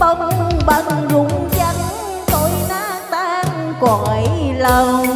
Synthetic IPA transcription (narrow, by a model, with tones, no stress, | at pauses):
fə˧wŋ͡mɓa˧˨˩zʊ˨˦ŋ͡mt͡ɕa˧˦ŋ | t̪o˧˦jnaː˨˦˥k̚t̪aː˧˦nkɔ˨˩nʔə˨˦jlə˨˧˩w